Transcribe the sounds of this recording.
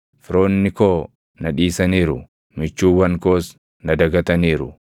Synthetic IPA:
fɪɾoːnːɪkoː | nɐᶑiːsɐniːɾʊ | mɪt͡ʃːuːwɐnkoːs | nɐd̪ɐɡɐt̪ɐniːɾʊ

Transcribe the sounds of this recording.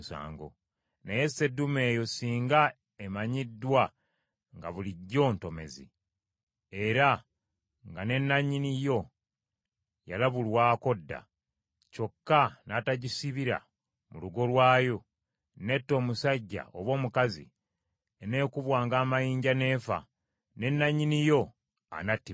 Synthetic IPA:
sa̰ːŋɡo̞̰ | neje̞se̞dːume̞ːjo̞siːŋɡa | emaɲidːwa | ŋɡaβuliɟːo̞ːnto̞me̞̰zḭ | e̞ɾa | ŋɡane̞nːaɲːinijo̞ | ja̰laβulwaːko̞dːa̰ | co̞kːanataɟisiβiɾa̰ | muluɡo̞lwaːjo̞ | ne̞tːo̞ːmusaɟːa̰oβwo̞ːmukazḭ | ene̞ːkuβwaːŋɡaːmajiːɲɟane̞ːfa̰ | ne̞nːaɲːinijo̞ | a̰natːi

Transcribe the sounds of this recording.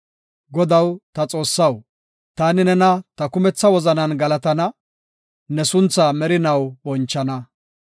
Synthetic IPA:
ɡɔd̪ɐwt̪ɐt͡sʼo̞ːsːɐw | t̪aːnɪnɛnɐt̪ɐkʊmɛt͡sːɐwɔzɐnɐnɡɐlɐt̪ɐnɐ | nɛsʊnt͡sːaːmɛɾɪnɐwbɔnt͡ʃːɐnɐ

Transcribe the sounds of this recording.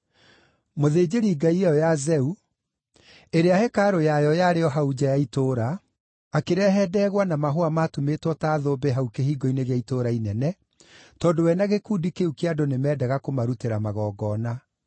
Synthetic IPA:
moðeːd͡ʑeɾiːɡaiɛɔjazɛu | eɾeahɛkaɾojajɔjaɾeɔɦaud͡ʑajaitoːɾaː | keɾɛːɦɛːdɛːɣwanamaɦoamatumetwɔtaːðoːbeɦaukeɦiːɡɔineɣeaitoɾainɛnɛ | tɔːdowɛnaɣekuːdikeukeadonemɛːdɛɣakomaɾuteɾamaɣɔːɡɔːna

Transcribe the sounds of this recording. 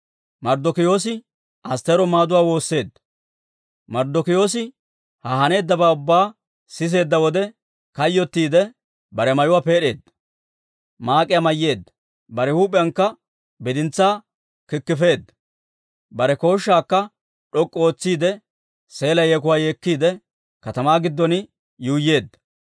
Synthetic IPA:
mɐɾd̪ɔkɪjo̞ːs̬ɪ | ʔɐst̪ɛɾɔmaːd̪ʊwaːwo̞ːsːe̞ːd̪ːɐ | mɐɾd̪ɔkɪjo̞ːs̬ɪ | hɐhɐne̞ːd̪ːɐbaːʊbːaː | sɪs̬e̞ːd̪ːɐwɔd̪ɛ | kɐjːɔt̪ːiːd̪ɛ | bɐɾɛmɐjʊwaːpe̞ːɗe̞ːd̪ːɐ | maːkʼɪjamɐjːe̞ːd̪ːɐ̥ | bɐɾɛhuːpʼɛjɐŋkːɐ | bɪd̪ɪnt͡sːaː | kɪkːɪfe̞ːd̪ːɐ̥ | bɐɾɛko̞ːʃːaːkːɐ | ᶑɔkʼːɔoːt͡sːiːd̪ɛ | se̞ːlɐjeːk̬ʊwaːje̞ːkːiːd̪ɛ | kɐt̪ɐmaːɡɪd̪ːɔnɪ | juːjːe̞ːd̪ːɐ̥

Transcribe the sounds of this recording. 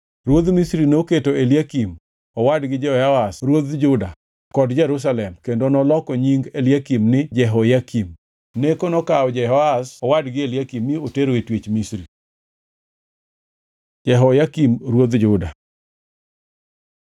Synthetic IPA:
ɾwod̪misɾinoketoeljakim | ɔwadɡɪd͡ʒɛhɔjaasɾwod̪d͡ʒʊda | kɔdd͡ʒɛɾus̬alɛmkendonɔlɔkɔɲiŋɡeljakimnɪd͡ʒɛɦɔjakim | nekonɔkaɔd͡ʒɛɦɔasɔwadɡɪeljakimːioteɾoetwet͡ʃmisɾi | d͡ʒɛɦɔjakimɾwod̪d͡ʒʊda̰

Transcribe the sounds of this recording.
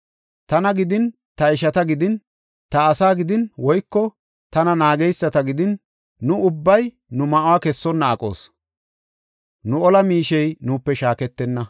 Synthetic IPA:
t̪ɐnɐɡɪd̪ɪn | t̪ɐɪʃɐt̪ɐɡɪd̪ɪn | t̪ɐːsaːɡɪd̪ɪnwɔjkːɔ | t̪ɐnɐnaːɡɛjsːɐt̪ɐɡɪd̪ɪnː | ʊʊbːɐj | nʊmɐʔʊwaːkɛsːɔnːɐːkʼo̞̰ːs | nʊɔlɐmiːʃɛjnuːpːɛʃaːkɛt̪ːɛnːɐ

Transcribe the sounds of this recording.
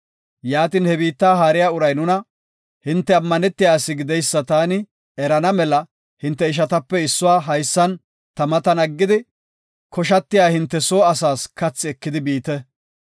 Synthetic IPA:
jaːt̪iːnhɛbiːt̪ːaːɦaːɾɪjaːʊɾɐjnʊnɐ | hɪnt̪ːɛɐmːɐnɛt̪ːɪjaːsːɪɡɪd̪ɛjsːɐt̪aːnɪ | ɛɾɐnɐmɛlɐ | hɪnt̪ːɛɪʃ̬ɐt̪ɐpːɛɪsːʊwaːɦɐjsːɐn | t̪ɐmɐt̪ɐnɐɡːɪd̪ɪ | kʰɔʃ̬ɐt̪ːɪjaːhɪnt̪ːɛsoːɐsaːskɐt͡sːɪɛkːɪd̪ɪbiːt̪ɛ

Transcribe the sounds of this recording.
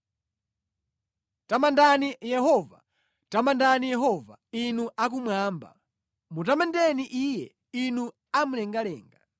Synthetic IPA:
tamandanijɛɦɔva̰ | tamandanijɛɦɔva̰inuʔakumwaːmba̰ | mutamandɛniʔijɛ̰ | inu | am̩lɛŋɡalɛːŋɡa

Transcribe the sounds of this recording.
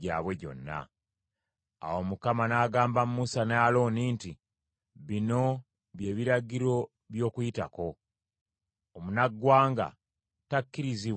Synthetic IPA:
a̰ːβwe̞ɟo̞̰nːa̰ | a̰wo̞mukamanaːɡaːmbamumusanaalo̞ːninti | βino̞ | βje̞ːβiɾaɟiɾo̞ | βjo̞ːkuita̰ko̞ | omunaɡːwaːŋɡa̰ | takːiɾizi

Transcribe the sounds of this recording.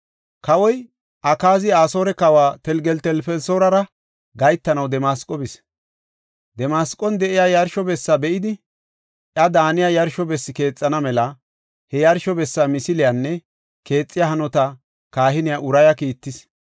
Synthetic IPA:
kɐwɔj | ʔɐkaːzɪaːso̞ːɾɛkɐwaːt̪ɛlɡɛlt̪ɛlfɛlsoːɾɐɾɐ | ɡɐjt̪ːɐnɐwd̪ɛmaːskʼɔbɪs | d̪ɛmaːskʼːɔnd̪ɛʔɪjajɐɾʃɔbɛsːabɛʔɪd̪ɪ | ʔjɐd̪aːnɪjajɐɾʃɔbɛsːɪke̞ːt͡sʼːɐnɐmɛlɐ | hɛjɐɾʃɔbɛsːamɪsɪlɪjanːɛ | ke̞ːt͡sʼːɪjaɦɐnɔt̪ɐ | kaːɦɪnɪjaʔʊɾɐjɐkiːt̪ːɪs

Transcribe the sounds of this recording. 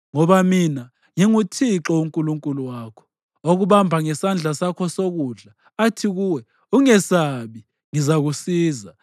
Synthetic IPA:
ŋɔβamina | ŋiŋutʰiǁɔuŋkʼuluŋkʼuluwaːkʰɔ̥ | oɣuɓambʱaŋɛsand͡ɮʱasakʰɔsoɣuɮaː | tʰiɣuwɛ | uŋɛsaɓi | ŋizaɣusiːza

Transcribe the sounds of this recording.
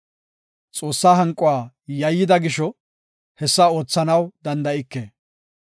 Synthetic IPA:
t͡sʼo̞ːsːaːɦɐŋkʼʊwaː | jɐjːɪd̪ɐɡɪʃɔ | hɛsːao̞ːt͡sːɐnɐwd̪ɐnd̪ɐɪkːeː

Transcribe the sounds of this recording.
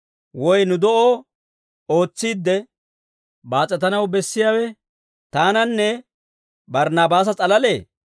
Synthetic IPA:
wɔjnʊd̪ɔʔoː | o̞ːt͡sːiːd̪ːɛ | baːt͡sʼːɛt̪ɐnɐwbɛsːɪjaːwɛ | t̪aːnɐnːɛ | bɐɾnaːbaːs̬ɐt͡sʼɐlɐle̞ː

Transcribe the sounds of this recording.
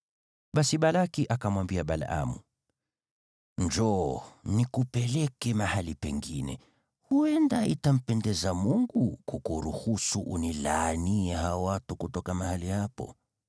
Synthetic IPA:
ɓasiɓalakiʔakamwambiaɓala̰ʔa̰mu | nd͡ʒɔnikupɛlɛkɛmahalipɛŋɡinɛ̰ | huɛndaitam̩pɛndɛzamuŋɡukukuɾuhusuʔunilaniɛɦawatukutɔkamahalihapɔ̰

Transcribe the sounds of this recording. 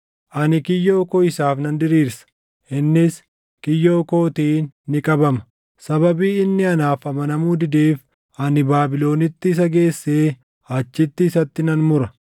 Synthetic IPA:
ʔɐnɪkɪjːoːkoːɪsaːfnɐnd̪ɪɾiːɾsɐ̥ | ʔɪnːɪs | kɪjːoːko̞ːt̪iːnːɪkʼɐbɐmɐ̥ | sɐbɐbiːɪnːɪɐnaːfɐmɐnɐmuːd̪ɪd̪eːf | ɐnɪbaːbɪlo̞ːnɪt̪ːɪːs̬ɐɡe̞ːsːe̞ː | ɐt͡ʃːɪt̪ːɪːsɐt̪ːɪnɐnmʊɾɐ

